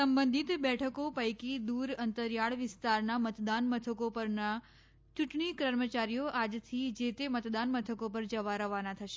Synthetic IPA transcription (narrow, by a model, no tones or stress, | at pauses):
səmbə̃nd̪ʱit̪bɛʈʰəkopəjkid̪uɾənt̪əɾjaɭʋɪst̪aɾnamət̪d̪anmət̪ʰəkopəɾna | t͡ʃuʈɳikɾəɾmət͡ʃaɾijoʔad͡ʒt̪ʰid͡ʒet̪emət̪d̪anmət̪ʰəkopəɾd͡ʒəʋaɾəʋanat̪ʰəʃe